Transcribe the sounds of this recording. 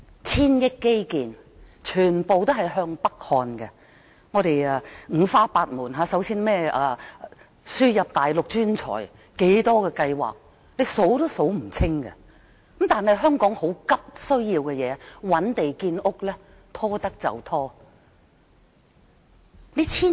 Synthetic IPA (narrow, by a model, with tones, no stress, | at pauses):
t͡sʰiː˥njɪ˥kːe˥jkiː˨n | t͡ʃʰyː˨˩npo˨wt̪o˥ɦɐ˨jɦœː˧ŋpɐ˥k̚hɔː˧nkɛ˧ | ŋɔː˨˧t̪e˨ja˨˧ŋ̩ː˨˧faː˥paː˧t̚muː˨˩nɦaː˨˧sɐ˨˥wsiː˥nmɛː˥a˨˧ | syː˥jɐ˨p̚t̪aː˨jlʊ˨k̚t͡ʃyː˥nt͡ʃʰɔ̰ː˨˩j | ke˨˥jt̪ɔː˥kɛː˧kɐ˧jwa̰ː˨k̚ | le˨˧jso˨˥wt̪oː˥so˨˥wm̩˨˩t͡sʰɪ˥ŋkɛ̰˧ | kɐ˨˦mt̪aː˨nhɐ˨jɦœː˥ŋkɔː˨˥ŋho˨˥wkɐ˥p̚sɵ˥ɥjiː˧wkɛ˧jɛː˨˧˦wɐ˨˥nt̪e˨jkiː˧nʊ˥k̚lɛː˥ | t̪ʰɔː˥t̪ɐ˥k̚t͡sɐ̰˨wt̪ʰɔː˥ | le˨˥t͡sʰiː˥